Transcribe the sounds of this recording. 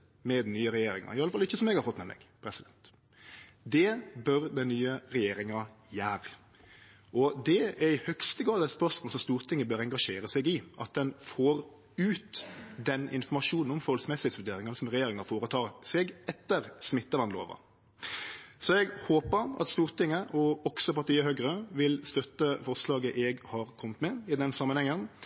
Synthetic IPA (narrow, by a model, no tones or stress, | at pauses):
mɛd̪nyːəɾɛjeːɾɪŋɑ̰ɪɑləfɑlːɪçːəsɔmɛɡhɑɾfɔt̪ːmɛmɛ̰ɡpʰɾɛsɪd̪ɛnt̪ | d̪ɛbœɾd̪ɛnnyːəɾɛjeːɾɪŋɑjæːʁ | ʔɔd̪ɛɛɾɪhœkst̪əɡɑːlɛspœʁsmoːlsɔmst̪uːɾt̪ʰɪŋːəbøːɾɛŋɡɑʂeːɾəsɛɡɪʔɑ̰t̪̚d̪ɛnfoːɾ | ʉːt̪d̪ɛnɪ̰nfɔmɑʂuːnn̩ɔmfɔɔlsmɛsɪheːt̪sʋʉɾd̪eːɾɪŋɑnəsɔmʁɛjeːɾɪŋɑfoːɾət̪ʰɑːɾsɛɡɛt̪ːəɾsmɪt̪ːəʋɑnlo̰ːʋɑ̰ | sɔɛɡhoːpəɾɑ̰t̪st̪uːʁt̪ɪŋːəʔɔɔksɔpɑʁt̪iːəhœɡɾəʋɪlst̪œt̪ːəfɔʁslɑːɡəʔɛɡhɑɾkʰɔmət̪mɛɪd̪ɛnsɑmːənhɛŋːən